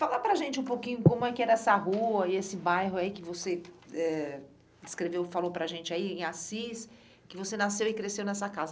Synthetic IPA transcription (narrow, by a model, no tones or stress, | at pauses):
falapɾɐʒẽnt͡ʃɪũpokĩɲʊkõmʊɛkɪɛɾɐɛsɐɦuɐɪesɪbajɦʊaikɪvoseɛ | d͡ʒɪskɾevewfalopɾɐʒẽnt͡ʃɪaiẽasis | kɪvosenasewɪkɾesewnɛsɐkazɐ